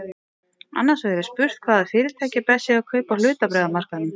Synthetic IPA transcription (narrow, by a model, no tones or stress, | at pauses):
a̰nːasvɛɛɾɪ̥spʏr̥t̪kʰv̥aːðaðfɪːɾɪɾ̥t̪ʰaːjcɪpɛsɪakʰœɥpawl̥ʏːt̪apɾɛːðamar̥kanʏm